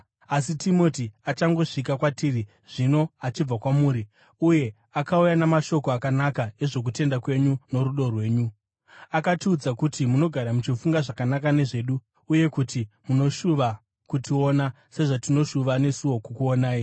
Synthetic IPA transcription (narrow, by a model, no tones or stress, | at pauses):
asitʰimo̞tiat͡ʃaŋɡo̞ʂik̬akwatiri | ʐ̥ino̞at͡ʃib͡vakwamuːɾi | uje̞ | akaujanamaʃo̞ko̞akanakae̞ʐo̞k̬ute̞ndakwe̞ɲuno̞ɾuɗo̞rwe̞ːɲu | akatiːd͡zakutimuno̞ɡʱaɾamut͡ʃifuŋɡaʐakanakane̞ʐe̞ːɗu | uje̞kutimuno̞ʃuʋa | kutio̞na | se̞ʐatino̞ʃuʋane̞suwo̞kukuonaːi